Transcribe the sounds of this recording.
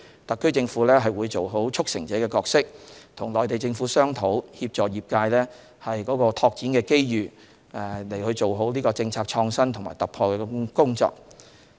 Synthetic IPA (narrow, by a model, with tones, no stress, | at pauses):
t̪ɐ˨kʰːɵ˥ɥt͡sɪ˧ŋfuː˨˥lɛː˥ɦɐ˨jwuː˨˧jt͡so˨wɦo˨˥wt͡ʃʰʊ˥k̚sɪ̰˨˩ŋt͡sɛː˨˥kɛː˧kɔː˧k̚sɪ˥k̚t̪ʰʊ˨˩ŋlɔː˨jt̪e˨jt͡sɪ˧ŋfuː˨˥sœː˥ŋt̪ʰo˨˥whiː˧p̚t͡sɔː˨jiː˨p̚kaː˧jlɛː˥ | hɐ˨jkɔː˨˧˥kɔː˧t̪ʰɔː˧k̚t͡siː˨˥nkɛː˧ke˥jjyː˨˩˨ | le˨˩jhɵ˧ɥt͡so˨wɦo˨˥wliː˥kɔː˧t͡sɪ˧ŋt͡sʰaː˧k̚t͡ʃʰɔː˧ŋsɐ˥nt̪ʰʊ˨˩ŋma̰ː˨˩jt̪ɐ˨k̚pʰɔː˧kɛː˧kʊ˥ŋt͡sɔ̰ː˧k̚